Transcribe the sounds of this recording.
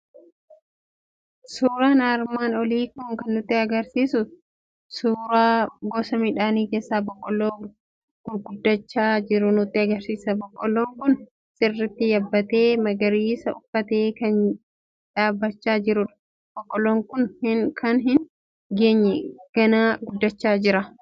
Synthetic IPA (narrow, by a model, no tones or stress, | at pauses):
suːɾaːnaːɾmaːnɔliːkʊŋkɐnːʊt̪ːɪɐɡɐɾsiːsʊ | suːɾaːɡɔsɐmɪᶑaːniːkeːsːaːbɔkʼːɔlːoː | ɡ̥ʊlɡʊd̪ːɐt͡ʃːaːd͡ʒɪɾʊnʊt̪ːɪɐɡɐɾsiːsɐbɔkʼːɔlːoːŋkʊn | sʼɪrːɪt̪ːɪjɐbːɐt̪e̞ːmɐɡɐɾiːsɐʊfːɐt̪e̞ːkɐn | ᶑaːbːɐt͡ʃːaːd͡ʒɪɾʊᶑ | b̥ɔkʼːɔlːoːŋkʊnhkʰɐnɦɪn | ɡeːɲːɛɡ̥ɐnaːɡʊd̪ːɐt͡ʃːaːd͡ʒɪɾɐ